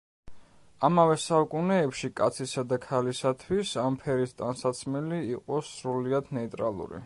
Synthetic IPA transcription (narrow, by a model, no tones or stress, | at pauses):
amavɛsaukʼunɛːpʃikʼat̪sʰisad̪akʰalisat̪ʰwisampʰɛɾist̪ʼansat̪sʰmiliːqʼɔsɾuliad̪nɛit̪ʼɾalˠṵɾḭ